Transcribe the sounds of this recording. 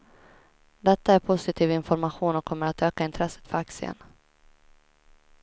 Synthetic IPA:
d̪ɛt̪ːaæɾpʰʊsɪt̪ʰiːvɪnfɔɾmaɧuːnɔkʰːɔmːəɾat̪øːkaɪnt̪ʰɾɛsːə̥t̪fœɾaksɪə̰n

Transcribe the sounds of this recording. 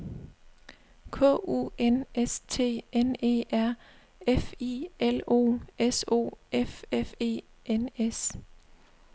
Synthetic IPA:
kʰɔ̰ːʔṵːenest͡sʰe̝̰ːene̝̰ːʔæɐ̰ | efiʔelo̝̰ːeso̝̰ːʔefefe̝̰ː | enes

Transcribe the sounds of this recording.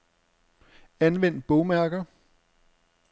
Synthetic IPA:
ænʋen̰d̥̚b̥ɔʊmæɐɡ̥ɐ

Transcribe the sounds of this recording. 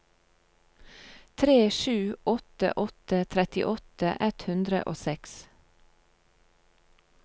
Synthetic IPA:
t̪ʰɾeːʃʉːɔt̪ə̰ʔɔt̪ət̪ʰɾɛt̪ɪ̰ʔɔt̪əʔɛt̪hʉnd̪ɾə̰ʔo̰ːsɛks

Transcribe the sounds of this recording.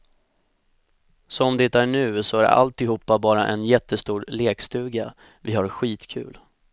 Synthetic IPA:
sɔmd̪ɪt̪æɳʉ̟ːsɔæɾa̰lt̪ɪɦuːpːabɑːɾaʔɛ̰njɛt̪ʰːəst̪uːɾleːkst̪ʉ̟ːɡa | vɪhaɾɧiːt̪kʰʉ̟̰ːl

